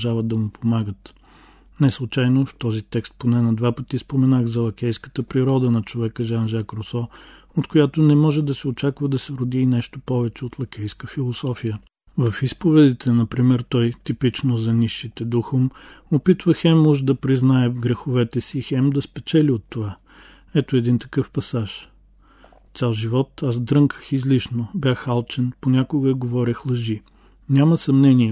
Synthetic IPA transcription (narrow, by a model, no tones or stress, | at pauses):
ʒavəd̪̚ɐmʊpʰomaɡət̪ | nɛslˠʊt͡ʃajnoft̪ɔzit̪ɛkst̪̚ponɛnɐd̪vapət̪ispomɛnaɣzɐlˠɐkɛjskə̥t̪əpɾiɾɔd̪ənɐt͡ʃovɛkəʒanʒakɾosɔ | ot̪kojat̪onɛmɔʒɛd̪ɐsɛot͡ʃakvɐd̪ɐsɛɾʊd̪iːnɛʃt̪opɔvɛt͡ʃɛot̪lˠɐkʲɛjskəfilˠosɔfijə | vɐfispovɛd̪it̪ʰɛnɐpɾimɛɾt̪ɔjt̪ipit͡ʃnozɐniʃːit̪ɛd̪uxomopit̪vəxɛmuʒd̪ɐpɾiznaɛvɡɾɛxʊvɛt̪ɛsixɛmd̪ɐspɛt͡ʃɛlʲiot̪ːova | ɛt̪oɛd̪int̪ɐ̥kɤfpɐsaʃ | t̪sʲalˠʒivɔt̪azd̪ɾɤŋkə̥xizliʃnobʲjaxalˠt͡ʃɛnponʲakʊɡəiɡovɔɾʲəxlˠɐʒi | nʲamɐsɐmnɛniɛ